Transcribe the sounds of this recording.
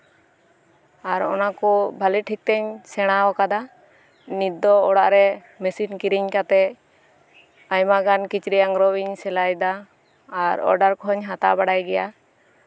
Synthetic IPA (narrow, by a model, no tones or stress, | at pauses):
aɾɔnakɔbʱaliʈʰik̚t̪ɛɲsɛɽ̃aɔkad̪a | nit̪̚ːɔɔɽaʔɾɛ | mɛsinkiɾiɲkat̪ɛ | ajmaɡankit͡ʃɾijaŋɾɔiɲsɛlajd̪aː | ɾɔ̰ɾɖaɾkɔɦɔɲɦat̪a̰ʔbaɽajɡɛja